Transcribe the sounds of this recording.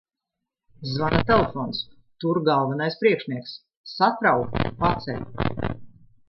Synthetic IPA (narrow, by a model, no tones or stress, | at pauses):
zvanat̪ɛlefɔːns | t̪uɾɡalˠvɛnajspɾiɛkʃniɛksː | at̪ɾawkpat̪sɛ̰lʲ